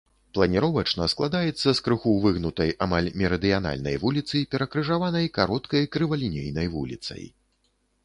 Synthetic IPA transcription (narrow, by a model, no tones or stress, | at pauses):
plˠɐnʲiɾɔvɐt͡ʂnɐsklˠad̪ajɛt̪sːɐskɾɨxuwvɨɣnut̪ɐjʔamalʲmʲɛɾɐd̪ɨjan̪a̰lʲnɐ̰jvulʲit̪sɨjpʲɛɾɐkɾɨʐavanɐjkaɾɔt̪kɐjkɾɨvɐlʲinʲejnɐjvṵlʲḭt̪sɐ̰j